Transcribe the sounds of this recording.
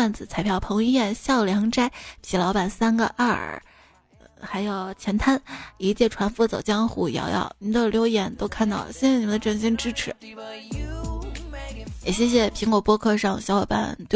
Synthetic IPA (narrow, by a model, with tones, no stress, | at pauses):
a˥˩nt͡sɹ̩˨˩t͡sʰa˧˥ɪpʰjɑ˥˩ʊpʰɤ˧˥ŋi˥˧jɛ˥˩nɕjɑ˥˩ʊljɑ˧˥ŋʈ͡ʂa˥ɪpʰi˨˩lɑ˧˥ʊpa˨˩nsa˥nɡə̰˧ʔa̰˥˩ | xa˧˥ɪjɑ˥˩ʊt͡ɕʰjɛ˧˥nt̪ʰa˥ni˧˥t͡ɕjɛ˥˩ʈ͡ʂʰwa˧˥nfu˥t͡so̰˨˩ʊt͡ɕjɑ˥ŋxu˥˩jɑ̰˧˥ʊjɑ̰˥˩ʊni˨˥d̪ə˧ljo˧˥ʊjɛ˧˥nt̪o˥ʊkʰa˥˧nt̪ɑ˥˩ʊ˩ɕɛ˥n˥˩ni˨˩mə˦nd̪ə˧ʈ͡ʂə˥˩nɕ̬i˥nʈ͡ʂɻ̩˥ʈ͡ʂʰɻ̩˧˥ | jɛ˨˩ɕjɛ˥ɕ̬jɛ˧˩pʰi˧˥ŋkwɔ˨˩pwɔ˥kʰɤ˥˧ʂɑ˥˧ŋɕjɑ˧˥wɛ˨˩pa̰˨˩nt̪w